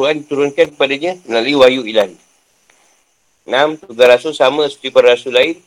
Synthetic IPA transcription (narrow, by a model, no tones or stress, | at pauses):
uandit̪uɾʊnkankə̥padaɲə̃mənaluiwajuilan | namt̪uɡaɾasusaməst̪ipənrasulaɪn